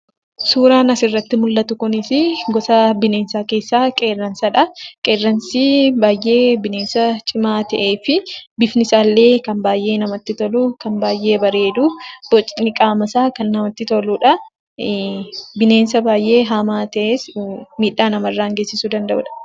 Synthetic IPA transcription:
suːɾaːnɐsɪrːɐt̪ːɪmʊlːɐt̪ʊkʊnɪsɪɡɔsɐbɪne̞ːnsaːke̞ːsːaːkʼeːrːɐnsɐᶑɐkʼeːrːɐnsiːbaːjʔe̞ːbɪne̞ːnsɐt͡ʃʼɪmaːt̪ɐʔe̞ːfɪbɪfnɪsaːlːe̞ːkɐnbaːjʔe̞ːnɐmɐt̪ːɪt̪ɔluːkɐnbaːjʔe̞ːbɐɾe̞ːd̪ub̥ɔt͡ʃʼnɪkʼaːmɐsaːkɐnːɐmɐt̪ːɪt̪ɔluːᶑɐ | bɪne̞ːnsɐbaːjʔːe̞ːɦaːmaːt̪ɐʔeːsmiːᶑːaːnɐmɐrːaːɐŋɡeːsːɪsud̪ɐnd̪ɐʔʊ̰ᶑɐ̥

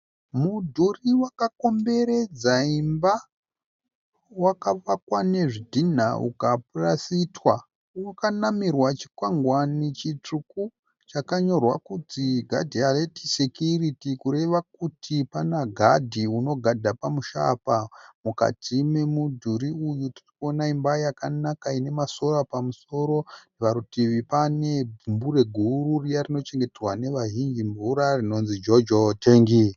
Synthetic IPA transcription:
mudʱuriwakako̞mbe̞ɾe̞d͡zaimba | wakaʋakwane̞ʐidʱin̤a̰ʔṵkap̚urasitwa | wakanamirwat͡ʃi̥kwaŋɡwanit͡ʃit͡ʂuku | t͡ʃakaɲo̞rwakutiɡʱa̰dʱialetisekjuritikuɾe̞ʋak̚utʰipanaɡʱadʱiuno̞ɡʱadʱapamuʃa̰pamuka̰tʰime̞mudʱuɾiujuti̥rikuo̞naimbajakanakaine̞maso̞ɾapamuso̞ɾo̞ndiʋaɾutiʋipane̞bumbuɾe̞ɡʱuɾurijarino̞t͡ʃe̞ŋɡe̞terwane̞ʋaɦind͡ʒimbuɾarino̞nzid͡ʒod͡ʒoteːŋɡi

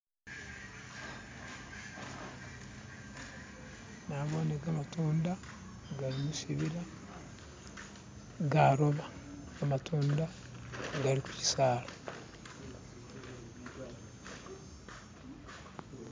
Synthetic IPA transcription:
naːβoːneɡamatʰoːnda | ɡaɾimusiβiɾa | ɡaːɾoβa | amatʰoːnda | ɡaɾiku̥ci̥saːɾa

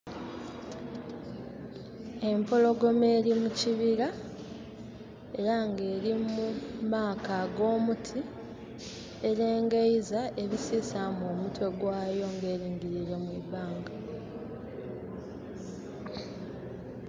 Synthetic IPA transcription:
e̞mpolo̞ɡo̞me̞ːɾimuciβiɾa | e̞ɾaŋɡe̞ːɾimmumaːkaɡo̞ːmutʰi | e̞ɾe̞ːŋɡejzaʔe̞βisiːsamoːmutwe̞ɡwaːjo̞ŋɡe̞ːɾiːŋɡiɾiɾe̞mwiβaːŋɡa

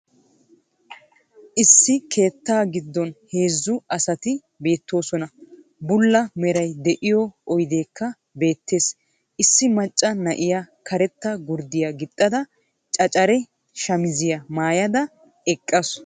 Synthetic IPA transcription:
ʔɪsːɪkʰe̞ːt̪ːaːɡɪd̪ːɔnhe̞ːzːʊʔɐsɐt̪ɪ | be̞ːt̪ːo̞ːsɔnɐ | bʊlːɐmɛɾɐjd̪ɛʔɪjɔɔjd̪e̞ːkʰːɐ | be̞ːt̪ʰːe̞ːs | ʔɪsːɪmɐt͡ʃʼːɐnɐʔɪjakʰɐɾɛt̪ːɐɡʊɾd̪ɪjɐɡɪt̪ʼːɐd̪ɐ | t͡ʃʼɐt͡ʃʼɐɾɛ | ʃɐmɪzɪjɐmaːjɐd̪ɐ | ɛkʼːɐs

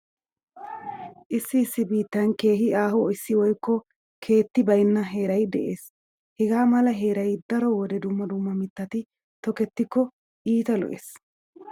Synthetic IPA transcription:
ʔɪsːɪɪsːɪbiːt̪ːɐnke̞ːɦɪaːhɔɪsːɪwɔjkːɔ | kʰe̞ːt̪ːɪbɐjnːɐɦe̞ːɾɐjd̪ɛʔe̞ːs | hɛɡaːmɐlɐɦe̞ːɾɐjd̪ɐɾɔwɔd̪ɛd̪ʊmːɐd̪ʊmːɐmɪt̪ːɐt̪ɪ | t̪ɔkɛt̪ːɪkːɔ | ʔiːt̪ɐlɔ̰ʔḛːs

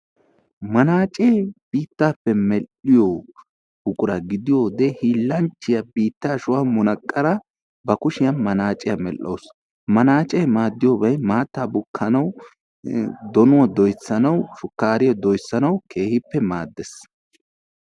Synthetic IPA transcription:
mɐnaːt͡ʃʼeːb̥iːt̪ːaːpːɛmɛlːɪjo | bʊkʼʊɾɐɡɪd̪ɪjoːd̪ɛhiːlːɐnt͡ʃːɪjɐbiːt̪ːaːʃʊwamʊnɐkʼːɐɾɐ | bɐkʊʃɪjɐmɐnaːt͡ʃʼɪjɐmɛlːo̰ws | mɐnaːt͡ʃʼeːmaːd̪ːɪjɔbɐjmaːt̪ːaːbʊkʰːɐnɐw | d̪ɔnʊwɐd̪ɔjsːɐnɐwʃʊkːaːɾɪjɔd̪ɔjsːɐnɐwkʰe̞ːhɪpːɛmaːd̪ːɛs

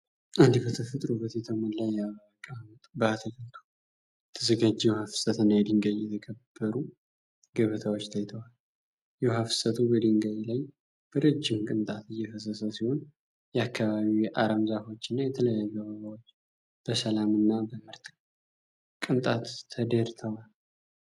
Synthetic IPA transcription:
ʔand̪ibət̪ʰəfɨt̪ʼɾubət̪ʰet̪ʰəmənlajːɛaβəəkʼamt̪bəat̪ʰəkɨnt̪ʰu̥ | t̪ʰɨzəɡad͡ʒːɛwhafɨ̥sət̪ɨnːajɛd̪ɨŋɡajjɛt̪ʰəɡʰəb̥ːəɾu | ɡəβət̪ʰawo̞t͡ʃːt̪ʰajt̪ʰəwal | jɛwhafɨ̥sət̪ʰubəd̪ɨŋɡajlaj | b̥əɾɨd͡ʒːɪmkʼɨnt̪ʼat̪ɨjːɛfəsəsəsiho̞n | jɛakːaβaβiʔaɾəmzafo̞t͡ʃːɨnːajɛt̪ʰələjajuɡəβəβawot͡ʃː | b̥əsəlamɨnːabəmɨɾt̪ʼ | kʼɨnt̪ʼat̪ːʰəd̪əɾt̪ʰəwal

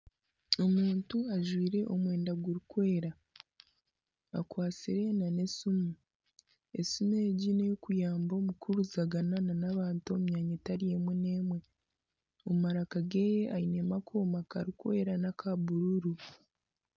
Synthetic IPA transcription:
o̞muːntuaʒwiːɾe̞ʔo̞mwe̞ːndaɡuɾikwe̞ːɾa | akwaːt͡siɾe̞nane̞sumu | esumeɟinejokujaːmbo̞mukuɾuzaɡanananaβaːntomuɲaːɲetaɾije̞mwene̞ːmwe̞ | omumaɾakaɡe̞ːjeʔajine̞makʰoːmakaɾikwe̞̰ːɾanakʰabuɾuɾu

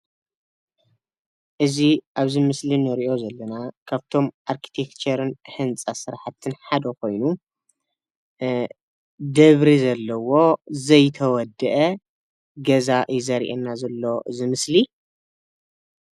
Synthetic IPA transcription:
ʔɨziʔaβzɨmɨslinɨɾiʔo̞zɐlːɐnakʰaβt̪ʰo̞mʔaɾkʰi̥t̪ʰekt͡ʃɐɾɨnħɨnt͡sʼasɨɾħat̪ʰːɨnħad̪ɐko̞jnu | d̪ɐβɾizɐlːɐwo̞zɐjt̪ʰɐwɔd̪ːɨʔɐ | ɡɐzaʔjizɐɾḭʔenːazɐlːo̞ɨzɨmɨsli

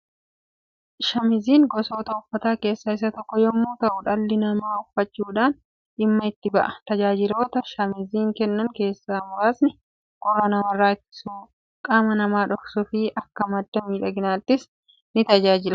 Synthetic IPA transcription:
ʃɐmɪziːŋɡɔso̞ːt̪ɐʊfːɐt̪aːke̞ːsːɐɪs̬ɐt̪ɔkːɔjɔmːoːt̪ɐʔʊᶑɐlːɪnɐmaːʊfːɐt͡ʃːuːᶑaːn | ᶑɪmːɐɪt̪ːɪbɐʔɐt̪ɐd͡ʒaːd͡ʒɪlo̞ːt̪ɐʃɐmɪziːŋkɛnːɐŋke̞ːsːaːmʊɾaːsnɪ | kʼɔrːɐnɐmɐrːaːɪt̪ːɪ̥suː | kʼaːmɐnɐmaːᶑɔksʊfɪʔɐkːɐmɐd̪ːɐmiːᶑɐɡɪnaːt̪ːɪs | nɪt̪ɐd͡ʒaːd͡ʒɪlɐ

